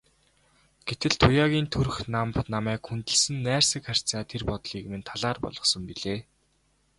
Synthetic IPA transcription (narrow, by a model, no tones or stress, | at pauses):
ɡ̥et̪ɘ̆ɮt̪ʰʊjaːɣʲiːnt̪ʰɵr̆xnampnamæːkxunt̪ɘ̆ɮsɘ̆nːæːrsɘ̆kχar̥ʲt͡saːt̪ʰerpɔt̪ɮiːkmĕnt̪ʰaɮaːrpɔ̰ɮɞ̆sɞ̆mpiɮeː